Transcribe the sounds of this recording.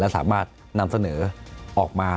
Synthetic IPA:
lɛː˦˥wsa̰ː˩˦maː˥˩t̪̚ | na˧msa˧nɤː˩˦ʔɔː˨˩k̚maː˧

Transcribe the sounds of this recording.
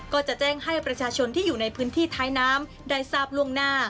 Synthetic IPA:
kɔː˥˩t͡ɕa˨˩ʔt͡ɕɛː˥˩ŋha˥˩jpɾa˧t͡ɕʰaː˧t͡ɕʰo˧nt̪ʰiː˥˩juː˨˩na˧jpʰɯː˦˥nt̪ʰiː˥˩t̪ʰaː˦˥jnaː˦˥m | da˧˩jsaː˥˩p̚lu˥˩əŋnaː˥˩

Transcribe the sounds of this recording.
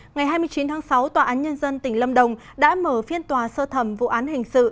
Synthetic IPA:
ŋa˨˩jɦaː˧jmɨ˧ət͡ɕi˨˦nt̪ʰaː˨˦ŋsa˨˦wt̪waː˨˩ʔaː˨˦nɲə˧nzə˧nt̪ï˧˩ŋ̟lə˧mɗə˨˩wŋ͡m | ɗa̰ː˧˥məː˧˩fi˧ənt̪waː˨˩səː˧t̪ʰə˧˩mvṵ˧˥ʔaː˨˦nhï˨˩ŋ̟sɨ̰˧˨

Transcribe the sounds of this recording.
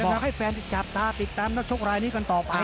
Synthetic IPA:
ɔː˨˧k̚ha˥˩jfʰɛː˧nt̪i˧˩t͡ɕa˨˩p̚t̪aː˧t̪i˨˩t̪ːaː˧mnː˦˥˩k̚t͡ɕʰo˥k̚ɾaː˧jniː˦˥ka˧nt̪ɔː˨˩pa˧

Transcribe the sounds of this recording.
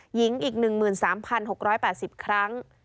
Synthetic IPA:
ji˩˦ŋʔiː˨˩k̚nɯ˨˩ŋmɯː˨˩nsaː˩˦mpʰa˧nɦo˨˩k̚ɾɔː˦˥jpɛː˨˩t̪̚si˨˩p̚kʰɾa˦˥ŋ

